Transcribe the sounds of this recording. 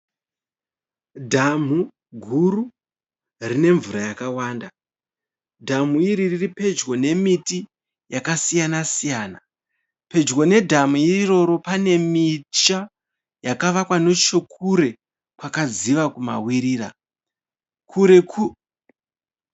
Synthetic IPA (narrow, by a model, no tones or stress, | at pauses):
dʱam̤u | ɡʱuɾu | rine̞ɱvuɾajakawaːnda | dʱam̤uiɾiriripe̞d͡ʒɡo̞ne̞miti | jakasijanasijaːna | pe̞d͡ʒɡo̞ne̞dʱamuiiro̞ɾo̞pane̞mit͡ʃa | jakaʋakwano̞t͡ʃokuɾe̞ | kwakad͡ziʋakuma̰wiɾiːra̰ | kʰuɾeu